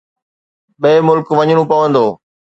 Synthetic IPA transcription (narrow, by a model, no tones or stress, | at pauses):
ɓeːmʊlkʋɐɲɽũpɐʋə̃nd̪oː